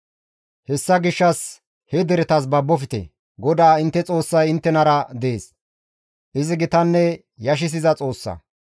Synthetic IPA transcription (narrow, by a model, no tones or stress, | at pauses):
hɛsːɐɡɪʃːɐs | hɛd̪ɛɾɛt̪ɐs̬bɐbːɔfɪt̪ḛ | ɡɔd̪aːɪnt̪ːɛt͡sʼo̞ːsːɐjɪnt̪ːɛnɐɾɐd̪eːs | ʔɪzɪɡɪt̪ɐnːɛ | jɐʃ̬ɪs̬ɪzɐt͡sʼo̞ːsːɐ̰